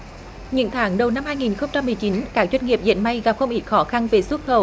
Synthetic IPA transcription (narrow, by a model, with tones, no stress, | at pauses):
ɲɨ̰˧˥ŋt̪ʰaː˨˦ŋɗə˨˩wna˧mhaː˧jŋi˨˩nxə˧wŋ͡mt͡ɕa˧mːɨ˨˩əjt͡ɕi˨˦nkaː˦˥k̚zwɛ˧jn̟ŋi˨˩əp̚zḛ˧˥nɓa˧jɣa˨˩p̚xə˧wŋ͡mʔi˦˥t̚xɔ˨˦xa˧nve˨˩swə˦˥t̚xəː˨˧˩w